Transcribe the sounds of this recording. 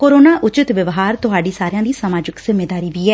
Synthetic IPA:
koːɾoːnaːʔʊt͡ʃɪt̪ʋəʋɦaːɾt̪ʊɦaːɖiːsaːɾɪjãːd̪iːsəmaːd͡ʒɪkz̥ɪmeːd̪aːɾiːʋiːɛː

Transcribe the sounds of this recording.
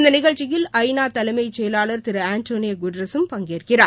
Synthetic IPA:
ɪnd̪ɐnɪɣɐɻt͡ʃɪjɪlɐɪnaːt̪ɐlɐmɐɪt͡ʃɛjɐlaːɭɐɾt̪ɪɾɐaːnʈoːnɪjɐɡʊɖɾɐsɯmpɐŋɡeːrkɪraː

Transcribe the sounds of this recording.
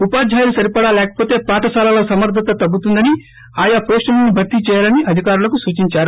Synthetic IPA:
upaːd͡ʒd͡ʒʱaːjɐlusɐɾipɐɽaːlɛːkɐ̥poːt̪e̞ːpaːʈɐsaːlaːlɐsɐmɐɾd̪ʱɐt̪ɐt̪ɐbːut̪und̪ɐni | aːjapoːsʈɐlɐnibʱɐɾt̪it͡ʃɛːjaːlɐniʔɐd̪ʱikaːɾulɐkusuːt͡ʃiɲt͡ʃaːɾu

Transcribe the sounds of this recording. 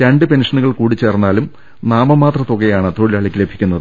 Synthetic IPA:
ɾɐɳɖɨpenʂɐnuɣɐɭkuːɽit͡ɕːe̞ːrnːaːlum | naːmɐmaːt̪rɐt̪oɣejaːɳɨt̪o̞ɻilɐɭikʲːile̞bʱi̥kʲːunːɐðɨɨ

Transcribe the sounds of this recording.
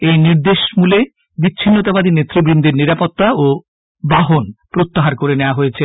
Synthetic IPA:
ejniɾd̪eʃmule | bitːɕʰinːot̪abad̪ʱinet̪ːɾibɾind̪ʱiɾniɾapot̪ːao | baɦonpɾot̪ːaɦaɾkoɾeneoaɦojet͡ɕʰe

